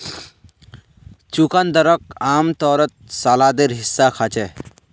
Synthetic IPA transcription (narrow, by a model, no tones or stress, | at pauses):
t͡ʃukand̪əɾəkaːmt̪ɔːɾət̪̚saːlad̪eɾɦisːakʰat͡ʃe